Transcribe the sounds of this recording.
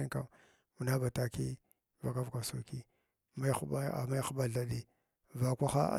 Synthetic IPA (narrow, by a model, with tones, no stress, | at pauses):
i˦ŋka̰˨m | mu˨na˦ba˨ta˦ki˦ | va˨ka˦vka˨so˨ki˦ | ma˦a˦a̰˨ma˦xu˦ba˦ɮa˨ɗi˦ | va˨kʷa˦xa̰˦˨